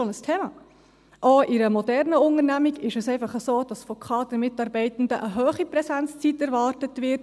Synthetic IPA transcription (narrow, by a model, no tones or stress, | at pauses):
onəstʰeːmɑ̰ː | ʔoːɪɾəmɔdɛɾnəʊnəɾnæmiɡɪʃəsɛɪfɑχəsoːd̥ɑsfɔkʰɑːd̥əmɪtɑɾbɛɪtn̩dəʔəɦøːχipɾɛsænt͡st͡sitɛɾvɑːrtətvɪt